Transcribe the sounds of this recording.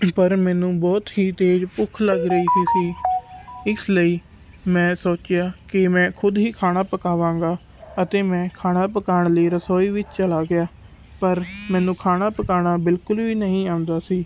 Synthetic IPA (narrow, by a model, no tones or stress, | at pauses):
pəɾmɛ̃ːnũːbɔːt̪ɦiːt̪eːd͡ʒpʊkʰləɡɾəiːt̪ʰiːsiː | ɪsləiː | mɛ̃ːsoːt͡ʃɪjaːkɪmɛ̃ːkʰʊd̪ɦiːkʰaːɽ̃aːpəkaːʋãːŋɡaː | ət̪eːmɛ̃ːkʰaːnaːpəkaːəɳ̃ləiːɾəsoːiːʋɪt͡ʃt͡ʃəlaːɡɪaː | pəɾmɛ̃ːnũːkʰaːnaːpəkaːnaːbɪlkʊlʋiːnəɦĩːaːʊ̃nd̪aːsiː